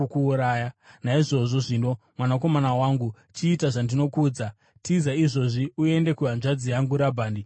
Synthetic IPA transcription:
kuuɾaːjanaiʐo̞ʐo̞ʐino̞ | mwanako̞manawaŋɡu | t͡ʃiːtaʐandino̞kuːd͡za | tizaiʐo̞ʐiue̞nde̞kuɦanʐad͡zijaŋɡuɾabʱaːndi

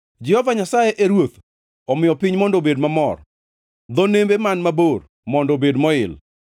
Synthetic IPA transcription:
d͡ʒɪhɔvaɲasajeʔeɾwot̪ | ɔmɪjɔpiɲmɔndobedmamɔr | d̪ɔnembemanmabor | mɔndobedmɔɪl

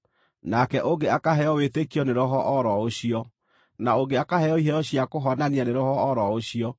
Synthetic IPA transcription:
nakɛʔoŋɡeakaɦɛɔwetekjɔneɾɔɦɔʔɔɾɔoɕiɔ | naoɡeakaɦɛjɔiɦɛɔɕjakoɦɔnanianeɾɔhɔːɾɔoɕiɔ

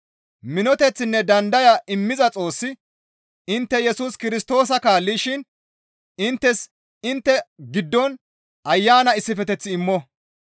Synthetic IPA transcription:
mɪnɔt̪ɛt͡sːɪnːɛd̪ɐnd̪ɐjɐʔɪmːɪzɐt͡sʼo̞ːsːɪ | ɪnt̪ːɛjɛsuːskɪɾɪst̪o̞ːs̬ɐkaːlːiʃɪn | ɪnt̪ːɛs | ɪnt̪ːɛɡɪd̪ːɔn | ʔɐjːaːnɐɪsːɪfɛt̪ɛt͡sːɪːmːɔ

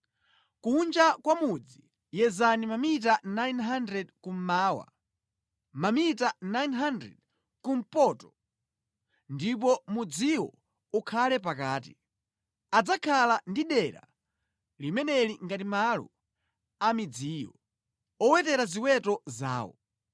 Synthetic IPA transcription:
kund͡ʒakwamud͡zi | jɛzanimamit̬anajnɦandɾɛdkum̩maːwa̰ | mamitanajnɦandɾɛ̰d̚ | kum̩pɔtɔ̥ | ndip̬ɔmud͡ziwɔ̰ | ukʰalɛpakaːti | ad͡zakʰalandiɗɛɾa̰ | limɛnɛliŋɡatimalɔ̰ | amid͡ziːjɔ̰ | ɔwɛtɛɾaziwɛtɔza̰ːwɔ̰

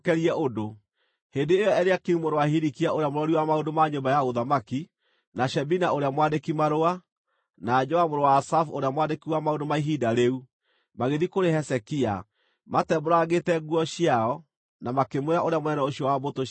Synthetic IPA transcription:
kɛɾiɛʔodo | hendeːjɔɛɾeakeumoɾowahiɾikiaʔoɾeamoɾɔɾiwamaondomaɲombajaɣoðamaki | naʃɛbinaoɾeamwandekimaɾoa | nad͡ʒɔamoɾowaːsafoɾeamwandekiwamaondomaiɦidaɾeu | maɣeðikoɾehɛsɛkia̰ | matɛboɾaɣetɛɣuɔɕiaɔ | namakemweɾaʔoɾeamonɛnɛoɕiɔwaboto

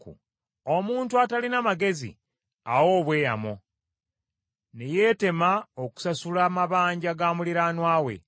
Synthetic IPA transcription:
kṵ | omuːntuatalinamaɡe̞zḭ | a̰wo̞ːβwe̞ːja̰mo | neje̞ːte̞maoku̥sasulamaβaːɲɟaɡaːmuliɾaːnwaːwe̞̰

